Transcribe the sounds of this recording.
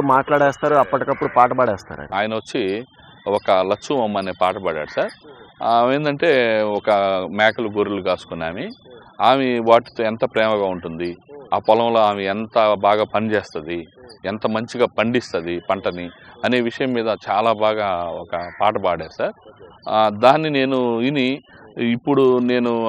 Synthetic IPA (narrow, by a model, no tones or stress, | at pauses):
maːʈlaːɽɛːst̪aːɾuɐpːɐʈikɐpːuɽupaːʈɐbaːɽɛːst̪a̰ːɾɐ̰niaːjɐnɐʋɐt͡ʃːi | ɔkɐlɐt͡ʃːuɐmːɐneːpaːʈɐbaːɽa̰ːɽusaːɾ | e̞ːnd̪ɐɳʈe̞ːɔkɐmaːkɐluɡoːɾuluɡaːsu̥kunːaːmi | aːmeʋaːʈːi̥t̪oːent̪ɐpɾɛːmɐɡaːuɳʈund̪iaːpɔlɐ̃wlo̞ːaːmeent̪ɐbaːɡaːpɐnit͡ʃeːst̪ɐd̪ient̪ɐmɐɲt͡ʃiɡaːpɐɳɖist̪ɐd̪ipɐɳʈɐniɐneːʋiʂɐjɐmːiːd̪ɐt͡ʃaːlaːbaːɡaːɔkɐpaːʈɐbaːɽaːɽusaːɾ | d̪aːnːine̞ːnuiniː | pːuɽune̞ːnu